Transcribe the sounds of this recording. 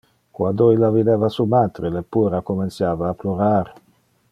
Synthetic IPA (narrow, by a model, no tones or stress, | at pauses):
kwand̪oilːavid̪ɛːvasumaːt̪ɾelepːuːɾakoment̪sjaːvaːploɾaːɾ